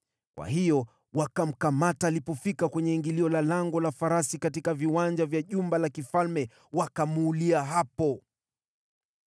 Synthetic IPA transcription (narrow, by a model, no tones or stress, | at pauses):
kwʔa̰ɦijɔ | wakam̩kamataːlipɔfikakwɛɲɛiŋɡiliɔlalaŋɡɔlafaɾasikatikaviwand͡ʒavjaʄumbalakifalmɛ | wakamuːliaɦapɔ